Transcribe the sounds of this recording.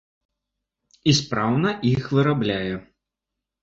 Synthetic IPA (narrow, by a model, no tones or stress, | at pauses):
ispɾawnɐʔixvɨɾablʲajɛ